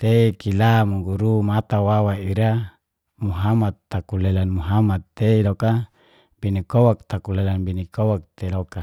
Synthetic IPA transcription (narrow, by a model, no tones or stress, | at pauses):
t̪eikilamuŋɡuɾumat̪awawaiɾa | muɦamat̪ːakulelanmuɦamat̪ːeiloka | binikowak̚t̪akulelanbinikowak̚t̪eloka